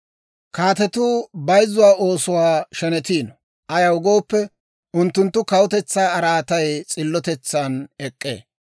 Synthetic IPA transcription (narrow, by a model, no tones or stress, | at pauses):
kaːt̪ɛt̪ʊːbɐjzʊwaːʔo̞ːsʊwaːʃɛnɛt̪iːnɔ | ʔɐjɐwʊɡo̞ːpːɛ | ʊnt̪ːʊnt̪ːʊkɐwʊt̪ɛt͡sːaːɐɾaːt̪ɐjt͡sʼɪlːɔt̪ɛt͡sːanɛkʼːḛː